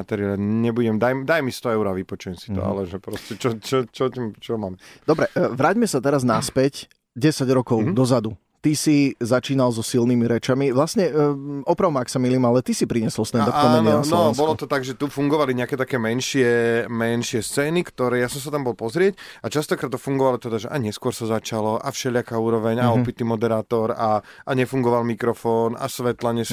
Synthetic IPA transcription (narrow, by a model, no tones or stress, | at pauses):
at̪ɛɾɪɛlaɲɛbuɟɛmd̪ajmd̪ajmist̪ɔɛʊɾaʋipɔt͡ʃujɛmsi̥t̪ɔ̰a̰lɛʒɛpɾɔscɛt͡ʃɔt͡ʃɔt͡ʃɔtimt͡ʃɔmamd̪̥ɔbɾɛʋɾaːɟmɛsat̪ɛɾaznaspɛc | ɟɛsaɟɾɔkɔʊd̪ɔzad̪u | t̪isizat͡ʃiːnalzɔsilnimiɾɛt͡ʃamiʋlasɲɛɔpɾaʊmaaksamiliːmalɛt̪isipɾiɲɛsɔlst̪ɛaɔmɛɲɛasnɔbɔlɔt̪ɔt̪aɡʒɛt̪ufuŋɡɔʋaliɲɛakɛːt̪akɛːmɛnʃɪɛmɛnʃɪɛst͡sɛːnikt̪ɔɾɛːjasɔms̬at̪ambɔlpɔzɾɪɛcat͡ʃast̪ɔkɾaːt̪ːɔfuŋɡɔʋalɔt̪ɛd̪aʒɛʔaɲɛskʊɔɾsazat͡ʃalɔʔa̰fʃɛʎɪakauːɾɔʋɛɲaɔpit̪imɔd̪ɛɾaːt̪ɔɾa | aɲɛfuŋɡɔʋalmikɾɔfɔːna̰sʋɛt̪laɲɛs